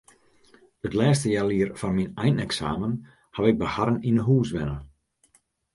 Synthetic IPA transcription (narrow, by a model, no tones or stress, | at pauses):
ətlɛːstəjaliərfɔnminɛjnɛksa̰ːmən | haʋɪɡ̚bəhaɾəninəɦuːsʋɪnə